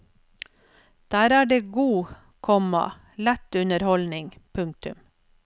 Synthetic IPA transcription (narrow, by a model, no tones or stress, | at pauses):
d̪̥æːɾæːɖeːɡuː | kʰɔmɑ̰ | læt̪ʉnəɾhɔlnɪŋpʰʉŋk̚t̪ʉ̰m